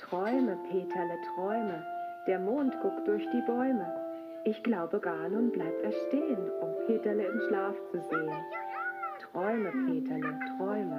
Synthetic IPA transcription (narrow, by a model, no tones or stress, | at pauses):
tʁ̥ɔʏməpʰeːtʰɐlətʁ̥ɔʏməd̥eːɐmoːntɡ̥ʊkt̚d̥ʊɐçd̥iːbɔʏmə | ʔɪçɡ̥laʊbəɡaːlʊnblaɪp̚tɛɐʃteːənʊmpʰeːtɐləɪmʃlaːft͡suzeːən | tʁ̥ɔʏməpʰeːtʰɐlətʁ̥ɔʏmə